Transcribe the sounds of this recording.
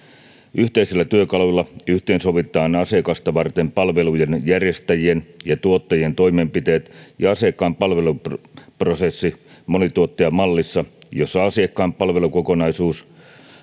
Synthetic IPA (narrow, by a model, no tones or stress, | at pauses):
yht̪eiselːæt̪yøkɑlulːɑyht̪eːnso̞ʋit̪ˑɑːnɑsekɑst̪ɑʋɑrt̪e̞mpɑlʋe̞lujenjærje̞st̪æjie̞njɑt̪uot̪ːɑjie̞nt̪o̞imempit̪e̞ːt̪jɑɑsiekːɑːmpɑlʋe̞lupprosesːimonit̪uot̪ːeɑmɑlːisːɑjosːɑɑsiekːɑːmpɑlʋe̞luko̞ko̞nɑisuːs